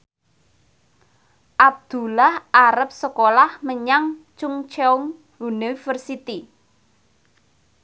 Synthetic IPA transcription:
ʔab̚d̪̥ṳlahʔaɾəp̚səkolahməɲaŋt͡ʃʊŋt͡ʃeuŋ | unifərsit̪i

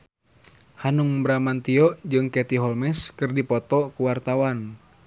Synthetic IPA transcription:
hanuŋbɾamant̪iɔd͡ʒɨŋkɛt̪iɦɔlmɛskɨrdipɔt̪ɔkuwart̪awan

